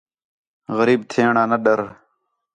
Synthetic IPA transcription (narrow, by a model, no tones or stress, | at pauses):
ɣəɾiːbt̪ʰeːɳaːnəɗəɾ